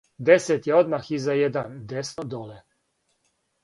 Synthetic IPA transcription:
d̪ɛsɛt̪jɛod̪maxizajɛd̪and̪ɛsnɔd̪oːlɛ

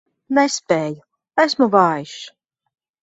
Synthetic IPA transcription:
nɛspeːju | æsmuvɑːjiʃ

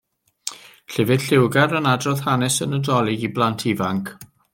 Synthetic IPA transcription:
ɬɪvɨd̥ɬɪwɡaɾənadrɔθhanɛsənədɔlˠɪɡiblˠantʰivaŋkʰ

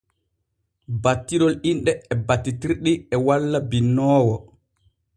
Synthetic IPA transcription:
batːiɾɔlinɗɛɛbatːitiɾɗiɛwalːabinːɔːwɔ

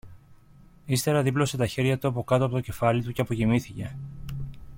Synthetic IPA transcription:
ist̪e̞ɾɐðiplo̞se̞t̪ɐçe̞ɾʝɐt̪uɐpo̞kɐt̪oɐpo̞t̪o̞ce̞fɐlit̪uceɐpo̞cimiθice̞

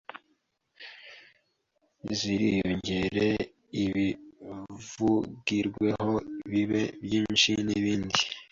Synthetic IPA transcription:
ziɾijo̞ɲɟe̞ɾe̞ | iβi | vuɡiɾɡwe̞ho̞βiβe̞bjiːnʃiniβiːndi

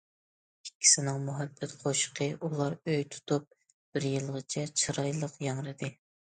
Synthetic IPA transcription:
ikʲʰːi̥sɪnɪŋmuɦɛbːɛt̪qʰoʃqʰəʔulˠɑɾøjt̪ʰu̥t̪ʰup̚ | b̥ɪɾjɨlˠʁət͡ʃʰɛt͡ʃʰɨɾɑjlˠəqjɑŋɾɨd̪ɨ

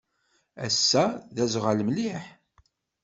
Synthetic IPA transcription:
æ̰sːæðæzʁalmliħ

